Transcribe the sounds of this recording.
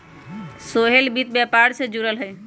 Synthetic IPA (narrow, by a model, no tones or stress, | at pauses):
soɦelbit̪̚bjɛpaɾsẽd͡ʒuɾəlɦəj